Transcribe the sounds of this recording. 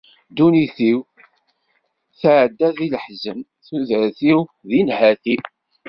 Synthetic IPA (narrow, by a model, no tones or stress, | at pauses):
d̪uniθiw | θaʕəd̪ːæðiləħzəm | θuðəɾθiwðinhæθi